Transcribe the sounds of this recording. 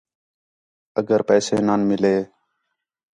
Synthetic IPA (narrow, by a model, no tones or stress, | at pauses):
əɡəɾpɛːseːnaːnmɪleː